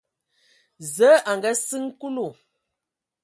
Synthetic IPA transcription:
zə˨˦ʔa˨ŋ˨ɡa˦sɨ˦ŋ˦ku˦lu˦˨

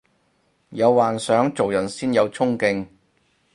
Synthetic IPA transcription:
jɐ˨˧wwaː˨˩nsœː˨˥ŋt͡so˨wjɐ˨˩nsiː˥njɐ˨˧wt͡sʰʊ˥ŋkɪ˧ŋ

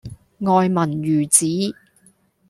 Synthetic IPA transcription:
ŋɔː˨jmɐ˨˩njyː˨˩t͡siː˨˥

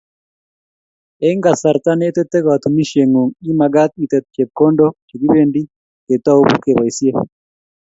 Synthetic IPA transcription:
ɛ˦ŋɡa˨sa˨ɾt̪a˦nɛː˦t̪ɛ˦t̪ːɛ˦ka˨t̪u˨mi˦ʃe˨ŋu˨ŋi˦ma˨ɡa˦t̪̚i˨t̪ɛ˨t̪̚t͡ʃe˨b̚ko˦ndoke˨ɡi˦be˦ndi˦ | ke˨t̪a˦u˦bu˦ke˨ba˨isje˦

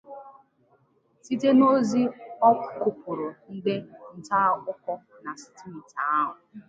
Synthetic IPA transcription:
si˦te˦no˦zi˦ɔ˦kʷʊ̥˦˨kʊ˨pʊ˨ɾʊ˨n̩˦de˦n̩˨ta˦kʊ˦kɔ˦ | na˨si̥˨ti˦m̩˨ta˨a˦ɦʊ˨

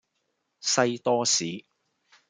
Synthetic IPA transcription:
sɐ˧jt̪ɔː˥siː˨˥

